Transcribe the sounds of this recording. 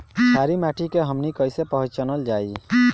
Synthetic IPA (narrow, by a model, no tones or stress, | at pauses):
sʰaɾimaʈʰikeɦəmnikəjsepəɦəd͡ʒt͡ʃənəld͡ʒai